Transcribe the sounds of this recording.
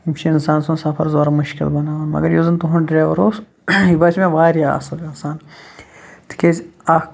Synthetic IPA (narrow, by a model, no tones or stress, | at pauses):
imt͡ʃʰiinsaːnsũːnsɐpʰɐɾzoːɾɐmɐʃkʲḭlbɐnaːʋɐnmɐ̰ɡɐɾjozɨnt̪uɦunɖɾeːʋɐɾoːs | ibɐt͡ʃmẽʋaːɾijaɐ̰sɐlinsaːn | t̪ʰi̥kʲeza